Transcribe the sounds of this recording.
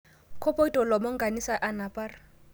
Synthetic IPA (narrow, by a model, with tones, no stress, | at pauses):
kʰɔ˦pʼɔ˦i˦tʼɔ˨lɔ˨mɔ˦ŋ̩˦ɡa˨ni˦sa˦ʔa˦na˨pʼa˦rɪ˦